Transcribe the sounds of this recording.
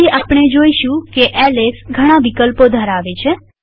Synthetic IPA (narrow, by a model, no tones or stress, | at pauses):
iʔapɳ̃ed͡ʒoiʃũkeʔɛlesɡʱəɽ̃ãʋikəlpod̪ʱəɾaʋet͡ʃʰe